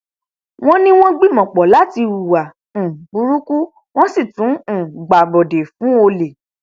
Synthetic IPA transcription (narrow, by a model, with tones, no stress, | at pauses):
w̃ɔ̃˦nĩ˦w̃ɔ̃˦ɡ͡bi˦˨mɔ̃˨k͡pɔ˨la˨˦ti˧u˦˨wã˨ | bu˨˦ɾu˦ku˦ | w̃ɔ̃˦si˦˨tũ˨˦˨ɡ͡ba˨ɡ͡bɔ˨de˨fũ˨˦o˧le˨